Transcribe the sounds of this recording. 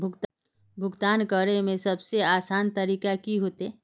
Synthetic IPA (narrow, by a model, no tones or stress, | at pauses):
bʱʊɡt̪ | bʱʊɡt̪aːnkəɾemẽsɐbseaːsaːnt̪ɐɾiːkakiɦoːt̪ɦɛː